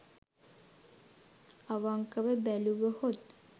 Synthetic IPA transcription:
aʋaŋkəʋəbæluʋəhot̪̚

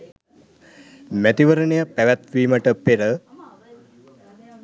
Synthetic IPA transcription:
mæt̪iʋəɾənejəpæʋæt̪ʋiːməʈəpeɾə

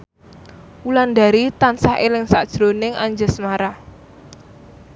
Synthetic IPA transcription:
uland̪a̤ɾit̪ansahelɪŋsa̰ʔd̥ʒ̥ɾonɪŋʔaɲd͡ʒəsmaɾa

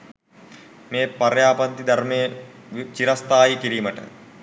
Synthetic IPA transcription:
meːpaɾjaːpɐnt̪id̪aɾmejət͡ʃiɾast̪aːjikiɾiːməʈə̰

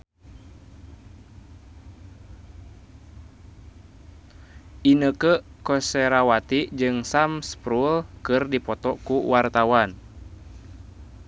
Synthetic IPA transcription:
ʔinəkəkɔseɾawat̪id͡ʒɨŋsamspɾulkɨrdipɔt̪ɔkuwart̪awan

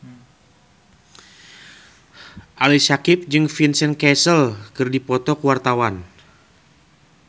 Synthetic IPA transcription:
ʔalisakɪp̚d͡ʒɨŋfinsɛnkɛsəlkɨrdipɔt̪ɔkuwart̪awan

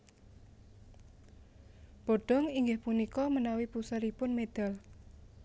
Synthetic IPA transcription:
b̥ɔɖ̥ɔ̤ŋiŋɡɪhpunikɔmənawipusaɾipʊnmed̪̥a̤l

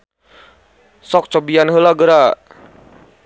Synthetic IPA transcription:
sɔk̚t͡ʃɔbianɦəlaɡəɾa

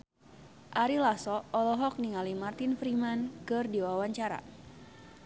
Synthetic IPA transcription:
ʔaɾilasɔɔlɔɦɔk̚niŋalimart̪infɾimankɨrdiwawaɲt͡ʃaɾa̰

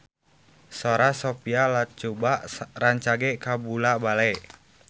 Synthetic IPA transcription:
soɾasopialat̪̚t͡ʃubaʔraɲt͡ʃaɡekabulabalɛʔ

